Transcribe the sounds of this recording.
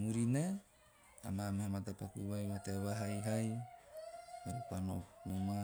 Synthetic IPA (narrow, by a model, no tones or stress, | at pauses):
muɾina | a̰mamahamatapakuβajβataβaɦajɦaj | eɾupano̰muma